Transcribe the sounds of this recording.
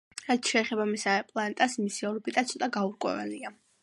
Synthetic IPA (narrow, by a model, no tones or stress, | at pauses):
ɾat̪ʃɛːχɛbamisaɛpʼlˠant̪ʼasmisiɔlɔbid̪ʼat̪sʰɔt̪ʼaɡauɾkʼwɛ̰vɛ̰lia